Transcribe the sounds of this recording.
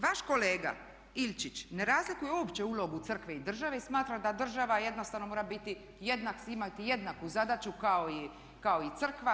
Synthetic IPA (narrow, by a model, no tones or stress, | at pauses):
ʋaʃko̞le̞ːɡa̰ | ilʲt͡ʃit͡ʃne̞ɾaːzlikujeoːpt͡ɕe̞uːlo̞ɡut̪sr̩kʋeid̪r̩ʒaʋeismaːt̪ɾad̪ad̪r̩ʒaʋaje̞d̪nost̪aʋno̞moːɾabit̪i | jed̪naksimat̪ijed̪nakuzad̪at͡ʃukao̞i | kao̞it̪sr̩kʋa